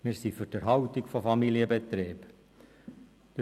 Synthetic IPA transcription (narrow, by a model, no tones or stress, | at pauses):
mɪːɾsifyd̥əɾɦɑʊt̪ɪkfofɑmiliəbet̪ɾeːb | d̥̪